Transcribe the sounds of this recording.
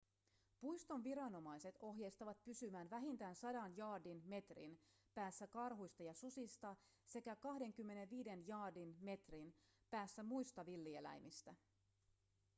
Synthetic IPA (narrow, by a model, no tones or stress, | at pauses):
pujst̪o̞nʋiɾɑno̞mɑjse̞t̪o̞ɦjejst̪ɑʋɑt̪̚pysymæːnʋæɦint̪æːnsɑdɑnjɑːdinme̞t̪rḭn | pæːsːækɑrɦujst̪ɑjɑsusist̪ɑ | se̞kækɑhde̞ŋkymːe̞ne̞ʋʋiːde̞njɑːdinme̞t̪rinpæːsːæmujst̪ɑʋilːie̞læ̰jmist̪æ